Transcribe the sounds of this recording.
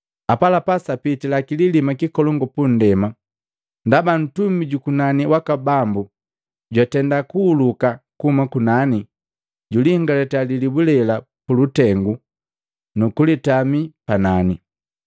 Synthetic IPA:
apalapasapitilakililimakikɔlɔŋɡɔpun̩dɛma | ndaban̩tumiɟukunaniwakabambu | ɟwatɛndakuːlukakuhumakunani | ɟuliŋɡalɛtalilibulɛla | pulutɛŋɡu | nukulitamipanani

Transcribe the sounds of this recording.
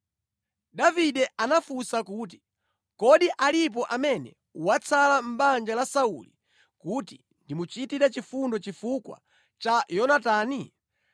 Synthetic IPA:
daviɗɛʔanafusakuːt̬i̥ | kɔɗiʔalip̬ɔʔamɛnɛ̰ | wat͡sʰalam̩ɓand͡ʒalasaṵli | kuti | ndimut͡ʃitiɾat͡ʃifundɔt͡ʃifukwa̰ | t͡ʃajɔnataːni

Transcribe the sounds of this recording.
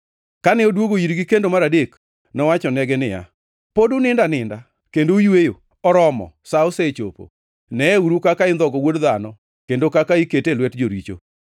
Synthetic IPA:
kanɪodwoɡoiɾɡikendomaɾadek | nɔwat͡ʃɔnɛɡɛnɪja̰ | podʊnɪndanɪnda | kendojwejo | ɔɾɔmɔ̰saoset͡ʃo̰po̰ | nɛɛuɾukakaɪnd̪ɔɡɔwodðanɔ | kendokakaiketelwɛtd͡ʒoɾit͡ʃo̰

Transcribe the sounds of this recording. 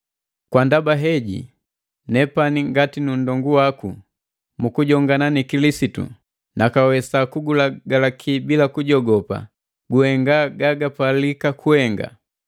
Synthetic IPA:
kwandabaɦɛɟḭ | nɛpaniŋɡatinun̩dɔŋɡuwakṵ | mukuɟɔŋɡananikilisitṵ | nakawɛsakuɡulaɡalakʰibilakuɟɔɡɔpa̰ | ɡuhɛŋɡaɡaɡapalikakuhɛŋɡa̰

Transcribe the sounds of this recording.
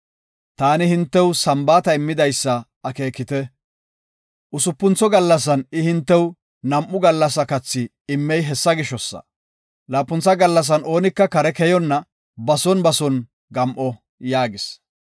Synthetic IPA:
t̪aːnɪhɪnt̪ːɛwsɐmbaːt̪ɐɪmːɪd̪ɐjsːɐ | ɐke̞ːkːɪt̪ɛ | ʔʊsʊpːʊnt͡sːɔɡɐlːɐs̬ɐnɪhɪnt̪ːɛw | nɐmʔʊɡɐlːɐs̬ɐkɐt͡sːɪː | mːɛjɦɛsːɐɡɪʃɔsːɐ̰ | laːpːʊnt͡sːɐɡɐlːɐs̬ɐno̞ːnɪkːɐkɐɾɛkɛjɔnːɐ | bɐsɔnbɐsɔn | ɡɐmʔɔ | jaːɡɪs

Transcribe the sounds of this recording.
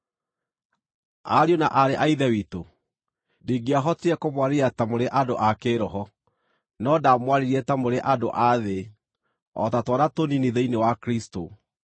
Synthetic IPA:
a̰ɾionaʔaɾeʔaiðɛwito | diɡeaɦɔteɛkomwaɾeɾiatamoɾeʔadoʔakeɾɔɦɔ | nɔdamwaɾeɾiɛtamoɾeʔadoʔaðe | ɔ̰tatwɔɾatoniniðeinewakɾisto

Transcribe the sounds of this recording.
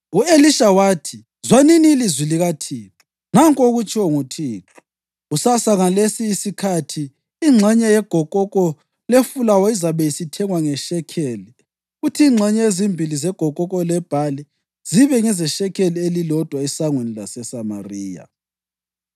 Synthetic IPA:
ueliʃawaːtʰi | zwaniniːlizwiliɣatʰiːtʰɔ̥ | naŋkʼoɣut͡ʃʼʰɔŋutʰiːǁɔ̥ | usasaŋalesiːsikʰatʰiː | ŋ͡ǁʱɛɲɛjɛɡ̥ʱɔkʼɔkʼɔ | lefulawɔizaβɛjisitʰɛŋwaŋɛʃɛkʰeːli | utʰiːŋ͡ǁʱɛɲɛezimbʱilizɛɡ̥ʱɔkʼɔk̬ʼɔlɛb̥ʱali | z̥iβɛŋɛzɛʃɛkʰelielilɔd̥ʱwaɛsaŋwenilasɛsama̰riːja̰

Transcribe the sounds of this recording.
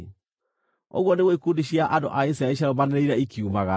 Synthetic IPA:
o̰ɣwɔneɣweikundiɕiaʔando̰ʔais̬ɾaeʃ̬aɾomaneɾeiɾɛikʰiumaɣa

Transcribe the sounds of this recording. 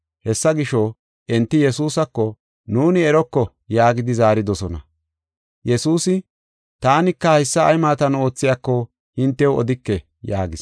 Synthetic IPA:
hɛsːɐɡɪʃɔ | ʔɛnt̪ːɪjɛsuːsɐkːɔ | nuːnɪɛɾɔkːɔ | jaːɡɪd̪ɪzaːɾɪd̪ɔsɔnɐ̰ | jɛsuːsɪ | t̪aːnɪkːɐɐɪsːɐːjmaːt̪ɐno̞ːt͡sːɪjakːɔ | hɪnt̪ːɛwɔ̰d̪ɪkːɛ | jaːɡɪs

